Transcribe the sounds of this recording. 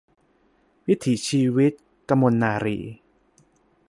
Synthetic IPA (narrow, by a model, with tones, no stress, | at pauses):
wi˦˥t̪ʰiː˩˦t͡ɕʰiː˧wi˦˥t̪̚ | ka˧mːo˧nːaː˧ɾḭː˧